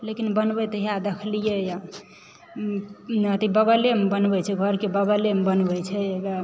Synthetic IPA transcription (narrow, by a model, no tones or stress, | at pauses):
lekinbənbɛt̪əɦiad̪ekʰlijɛja | ət̪ibəɡəlemebənbɛt͡ʃʰɛɡʱəɾkebəɡəlembənbɛt͡ʃʰɛeɡa